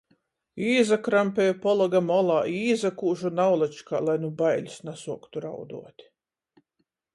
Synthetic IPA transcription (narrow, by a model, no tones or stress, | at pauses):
iːzakɾampʲɛjupɔlˠaɡamɔlˠaːiːzakuːʒunawlˠat͡ʃka̰ːlˠajnubajlʲisnasuɔkt̪uɾa̰wd̪ṵɔt̪ʲ